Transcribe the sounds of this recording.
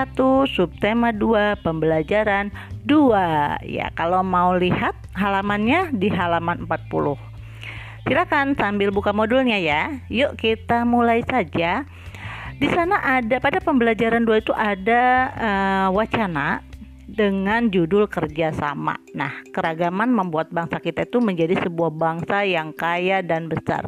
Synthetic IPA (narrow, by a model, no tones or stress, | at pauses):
at̪usup̚t̪emaduapəmbəlad͡ʒaɾanduaja̰kalomaulihat̪̚ɦalamanɲadiɦalamanəmpat̪̚pṵlʊh | silakansambɪlbukamodʊlɲajajoʔkit̪amulaisad͡ʒa | disanaʔadapadapəmbəlad͡ʒaɾanduait̪uʔadaəwat͡ʃana | dəŋand͡ʒudʊlkərd͡ʒasa̰ma̰nahkəɾaɡamanməmbuat̪̚baŋsakit̪ait̪uməɲd͡ʒadisəbuahbaŋsajaŋkajadanbəsa̰r